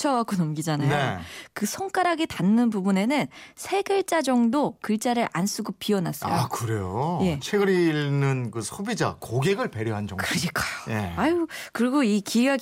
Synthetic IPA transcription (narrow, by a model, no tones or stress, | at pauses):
t͡ɕʰʌɡak͈onʌmɡid͡ʑanajneokɯsʰʌŋk͈aɾaɡetanːɯnpubune̞nɯnsʰe̞ɡɯɭt͡ɕ͈ad͡ʑʌŋdokɯɭt͡ɕ͈aɾɯɾʔans͈ʰuɡopiʌnas͈ʌakɯɾejoje̞t͡ɕʰeɡɯɾinɯnkɯsʰubid͡ʑa̰koɡe̞ɡɯɭpe̞ɾjoɦand͡ʑʌŋkɯɾɯɲik͈ḁjojeakɯɾiɡoikia